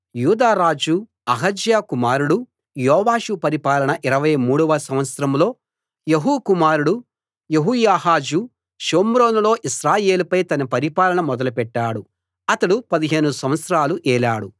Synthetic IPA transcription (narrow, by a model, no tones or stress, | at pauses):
juːd̪aːɾaːd͡ʒu | ɐɦɐd͡ʒjaːkumaːɾuɽu | jɔːʋaːʃupɐɾipaːlɐɳɐʔiɾɐʋɐjmuːɽuʋɐsɐmʋɐt̪sɐɾɐmlo̞ː | jeɦukumaːɾuɽu | jeɦujaːɦaːd͡ʒu | ʃoːmɾoːnulo̞ːʔiʃɾaːje̞ːlupɐjt̪ɐnɐpɐɾipaːlɐɳɐmɔd̪ɐlupɛʈːaːɽu | ɐt̪ɐɽupɐd̪iɦe̞ːnusɐmʋɐt̪sɐɾaːluʔɛːlaːɽu